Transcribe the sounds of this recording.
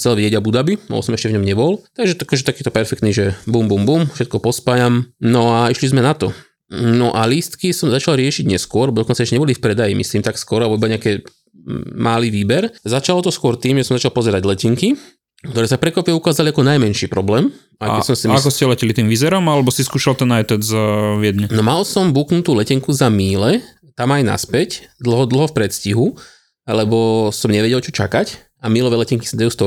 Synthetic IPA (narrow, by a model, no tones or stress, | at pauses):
xt͡sɛlʋiɛɟabud̪abibɔ̰bɔ̰sɔmɛʃcɛvɲɔmɲɛbɔlt̪aɡʒɛt̪akɔʒɛt̪akiːt̪ɔpɛɾfɛkt̪niʒɛbumbumbuːmfʃɛt̪̚kɔpɔspajamnɔaiʃlizmɛnat̪ɔ | nɔʔaliːst̪kisɔmzat͡ʃalɾɪɛʃiɟɲɛskʊɔɾlɛbɔd̪ɔkɔnt͡saɛʃcɛɲɛbɔlifpɾɛd̪ajimʔḭsliːmt̪akskɔɾalɛbɔibaɲɛakɛ | maliːʋiːbɛɾzat͡ʃalɔt̪ɔskʊɔɾt̪iːmʒɛsɔmzat͡ʃalˠpɔzɛɾaɟlɛciŋki | kt̪ɔɾɛːsafpɾɛkʋapʋɛukaːzaliakɔnajmɛnʃiːpɾɔblɛːm | ajkɛsɔmsimakkɔscɛlɛcilit̪iːmʋizɛɾɔmalɛbɔsiskuːʃalt̪ɛnːajt̪ɔd͡zʋɪɛd̪ɲɛnɔmalsɔmbuːknut̪uːlɛcɛŋkuzamiːlɛ | t̪amajna̰spɛcd̪l̩ˠɦɔd̪l̩ˠɦɔfpɾɛt̪sciɦu | lɛbɔsɔmɲɛʋɛɟɛlt͡ʃɔt͡ʃakac | amiːlɔʋɛːlɛciŋki̥sad̪ajuːst̪ɔ